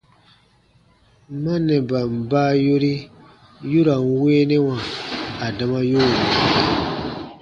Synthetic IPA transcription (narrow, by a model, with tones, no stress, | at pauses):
mã˦nɛ̃˨ba˨m̩˨baː˦jo˦ɾi˦ | ju˦ɾa˨n˦weː˦nɛ̃˦wã˨a˨da˧mã˦jo˦˨